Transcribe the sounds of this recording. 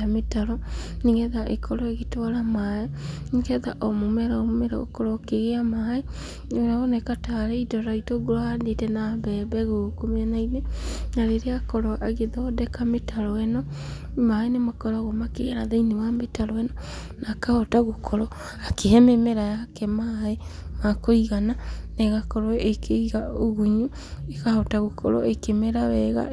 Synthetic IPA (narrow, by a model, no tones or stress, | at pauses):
ametaɾɔniŋɡɛðaʔekʰɔɾɔeɣitwaɾamaɛniɡɛðaʔomomɛɾaomomɛɾa̰ɣo̰kɔɾɔkeɣeamahae | oɾaonɛkataɾeidɔɾaitoɣoɾoandetɛnaβɛβɛɣokomeanainenaɾeɾeakɔɾɔʔaɣeðɔdɛkametʰaɾɔɛnɔ | maenemakɔɾɔaɣomakḛɣanaðainewametaɾɔɛnɔ | nakahɔtaɣokʰɔɾɔ | akeɦɛmemɛɾajakɛmaemakoiɣananɛɣakɔɾɔekʰeiɣaoɣuɲu | ekahɔtaɣokʰɔ̰ɾɔ̰ekemɛɾaβɛɣa̰